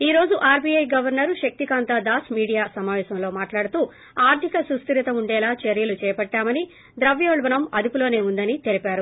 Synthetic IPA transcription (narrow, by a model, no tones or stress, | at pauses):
iːɾo̞ːd͡ʒuʔaːɾbiɐjɡɐʋɐɾnɐɾuʃɐk̚t̪ikaːnt̪aːd̪aːsmiːɽijaːsɐmaːʋɛːʃɐmlo̞ːmaːʈlaːɽut̪uː | aːɾt̪ʰikɐsust̪iɾit̪ɐmuɳɖɛːlaːt͡ʃeɾjɐlut͡ʃɛːjɐpɐʈːaːmɐni | d̪ɾɐʋjoːɭʋɐnɐmɐd̪upulo̞ːneːund̪ɐnit̪elipaːɾu